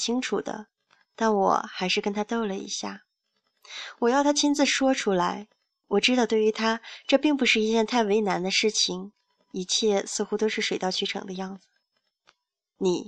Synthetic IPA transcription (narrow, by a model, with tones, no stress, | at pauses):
t͡ɕʰi˥ŋʈ͡ʂʰu˨˩d̪ə̰˦ | t̪a˥˩nwɔ̰˨˩xa˧˥ɪʂɻ̩˥˩kə˥nt̪ʰa˥t̪o˥˩ʊlə˨ḭ˧˥ɕja̰˥˩ | wɔ˨˩jɑ˥˩ʊt̪ʰa˥t͡ɕʰi˥nd͡zɹ̩˧ʂwɔ˥ʈ͡ʂʰu˥la˧˥ɪ | wɔ˨˩ʈ͡ʂɻ̩˥t̪ɑ˥˧ʊt̪we˥˩y˧˥t̪ʰa˥ʈ͡ʂɤ˥˧pi˥˩ŋp̬u˧˥ʂɻ̩˥˩i˧˥t͡ɕjɛ˥˧nt̪ʰa˥˩ɪwe˧˥ɪna˧˥nd̪ə˧ʂɻ̩˥˩t͡ɕʰi˨˩ŋ | i˧˥t͡ɕʰjɛ˥˧sɹ̩˥˧xu˥t̪o˥ʊʂɻ̩˥˩ʂwe˨˩ɪt̪ɑ˥˧ʊt͡ɕʰy˧˥ʈ͡ʂʰɤ̰˨˩ŋd̪ə˦jɑ˥˩ŋd͡zɹ̩˩ | ni˨˩˦